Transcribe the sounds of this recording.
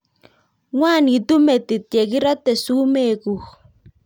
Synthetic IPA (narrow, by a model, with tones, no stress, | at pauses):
ŋwa˦˨ni˨tu˦me˨ti˨tje˨ɣi˦ɾɔ˦te˨su˦me˦˨ɣu˨